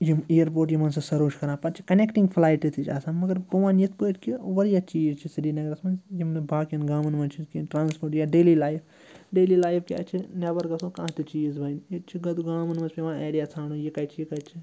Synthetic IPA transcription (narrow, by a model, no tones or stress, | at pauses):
jiejəɾpoːɾʈjimɐns̬ɐsɐɾoːt͡ʃkɐɾãːpɐɾt͡ʃʰi̥kɐnekʈĩŋɡpʰlaːjʈit̪ʰit͡ʃʰʲaːsãːnmɐɡɐɾpuʋaːnjit̪ʰpəːt̪kiʋɐɾjat͡ʃiːzt͡ʃʰisiɾiːnɐɡɾɐsmɐnzjimnbʱaːkɐnɡaːmɐnʋɐnt͡ʃʰikinʈɾaːnspʰoɾʈjaɖeːlilaːjfʰ | ɖeːlilaːjfʰkiɐ̰t͡ʃʰinɐbɐɾɡɐsõkãːt̪it͡ʃiːzbʱɐjnet͡ʃʰiɡɐt̪uɡaːmɐnmɐnzpiʋãːeːɾijat͡sʰaːnujikɐt͡ʃʰijikɐt͡ʃʰi